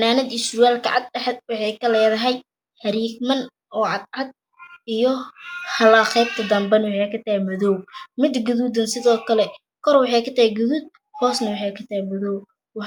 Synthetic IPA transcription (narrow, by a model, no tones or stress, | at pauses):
naːnɐd̪iʃʊjaːlkʰɐ̰ʕɑ̰d̪̚ɖɐħɛd̪̚wɑħɑjkʰɐlɛːðɐɦɛj | hɐɾiːɡmɐn | ʔɔːʕɑd̪ʕɑd̪̚ | ijɔhɐlaχɛjb̚t̪ʰɐd̪ɐmbɐnwɑħɑjkʰɐt̪ɐhɛmɔðɔwmɪd̪ɡʊðuːd̪ɐnsɪðɔːkʰɐlɛ | kʰɔrwɑħɑjkʰɐt̪ʰɐhɛɡʊðuːd̪̚ | hʰɔːsnɐwɑħɑjkʰɐt̪ʰɐhɛmɔðɔw | wɑ